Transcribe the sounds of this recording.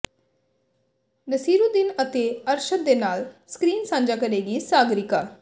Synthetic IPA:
nəsiːɾuːd̪ɪnət̪eːəɾʃəɾd̪eːnaːlskɾiːnsãːnd͡ʒaːkəɾeːɡiːsaːɡɾɪkaː

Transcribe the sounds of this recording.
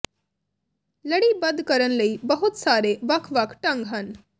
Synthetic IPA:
ləɽiːbəd̪ʱkəɾənləiːbəɦut̪saːɾeʋɐkʰʋakʰʈɐ̃ŋɡɦan

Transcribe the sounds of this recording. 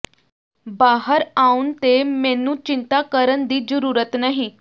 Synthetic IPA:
baːɦəɾaunt̪emɛ̃nũːt͡ʃɪnt̪akəɾənd̪iːd͡ʒəɾuːɾət̪naɦĩ

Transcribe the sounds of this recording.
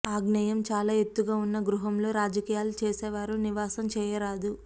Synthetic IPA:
aːɡnɐjɐmt͡ʃaːlaːe̞t̪ːuɡaːunːɐɡɾuɦɐmlo̞ːɾaːd͡ʒɐkiːjaːlut͡ʃeːsɛːʋaːɾuniʋaːsɐmt͡ʃɛːjɐɾaːd̪u

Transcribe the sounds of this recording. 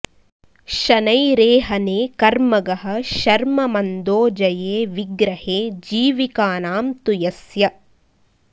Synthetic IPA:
ʃɐnɐjɾeːɦɐneːkɐɾmɐɡɐɦɐ̆ʃɐɾmɐmɐnd̪oːd͡ʒɐjeːʋiɡɾɐheːd͡ʒiːʋikaːnaːmt̪ujɐsjɐ

